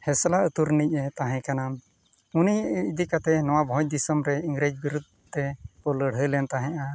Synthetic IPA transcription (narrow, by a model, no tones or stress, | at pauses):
hɛslaət̪uɾnic̚ɛt̪aɦɛ̃kanam | uniid̪ikat̪ɛnɔwabʱɔ̃d̪isɔmɾɛiŋɡɾed͡ʒbiɾud̪̚ʱ | t̪ɛpɔləɽ̤ɦəlɛnt̪aɦɛ̃ʔa